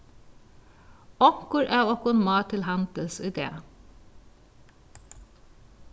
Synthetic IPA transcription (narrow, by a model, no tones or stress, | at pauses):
ɔkʊɾʔæːɔkʊnmɑːt̪ʰɪlhɑnd̪əlsɪd̪ḛːə